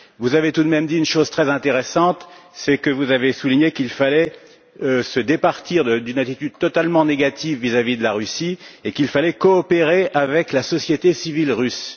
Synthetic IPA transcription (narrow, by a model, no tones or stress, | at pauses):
vuzavet̪ud̪mɛmd̪iynʃoz̥t̪χɛzɛ̃t̪eʁesɑ̃t̪sɛkəvuzavesuliɲekilfalɛ | øsəd̪epaʁt̪iʁd̪əd̪ynat̪it̪yd̪̚t̪ɔt̪almɑ̃neɡat̪ivːizavid̪əlaʁysiekilfalɛkɔːpeʁeavɛklasɔsjet̪esivilʁys